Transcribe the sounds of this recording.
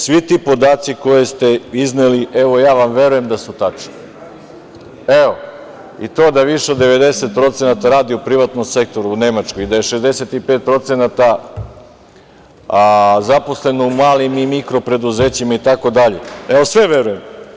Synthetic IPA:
sʋit̪ipo̞d̪aːt̪siko̞jest̪e̞izneliʔeʋo̞jaːʋamʋe̞ɾuje̞md̪asut̪at͡ʃni | eʋo̞ | it̪o̞ːd̪aʋiʃeo̞d̪ːe̞ʋe̞d̪e̞se̞t̪̚pɾo̞t̪se̞nat̪aɾaːd̪iupɾiʋat̪nomse̞k̚t̪o̞ɾuːne̞mat͡ʃkojid̪ajeʃe̞zd̪e̞set̪ipet̪̚pɾo̞t̪senat̪a | zapo̞sle̞noumaːlimimikɾo̞pɾe̞d̪uzeːt͡ɕimait̪ako̞d̪aʎeeʋo̞sʋe̞ʋe̞ɾujem

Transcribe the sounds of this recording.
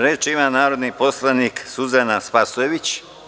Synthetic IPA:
ɾeːt͡ʃimanaːɾo̞d̪nipo̞slaniksuzenaspasueʋit͡ɕ

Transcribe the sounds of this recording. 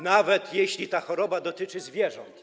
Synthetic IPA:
navɛt̪jeɕlʲit̪axɔɾɔbad̪ɔt̪ɘt͡ʂɘzvʲjɛʐɔnt̪

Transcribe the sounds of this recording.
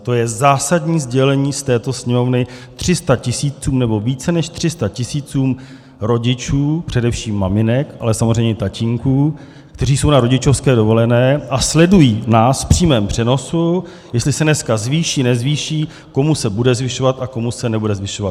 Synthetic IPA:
t̪o̞jɛzaːsadɲiːzɟɛlɛɲiːst̪ɛːt̪o̞sɲɛmo̞vnɪt̪r̝̥ɪst̪acɪsiːt͡suːmnɛbo̞viːt͡sɛnɛʃt̪r̝̥ɪst̪acɪsiːt͡suːm | ɾo̞ɟɪt͡ʃuːpr̥ɛdɛfʃiːmːamɪnɛkʔa̰lɛsamozr̝ɛjmɲɛt̪acɪŋkuː | kt̪ɛr̝iːso̞wnaɾo̞ɟɪt͡ʃo̞fskɛːdo̞vo̞lɛnɛːʔaslɛdujiːnaːsfpr̝̥iːmɛːmpr̥ɛno̞su | jɛst̪lɪsɛnɛskazviːʃiːnɛzviːʃiː | ko̞musɛbudɛzvɪʃo̞vat̪ʔako̞musɛnɛbudɛzvɪʃovat̪

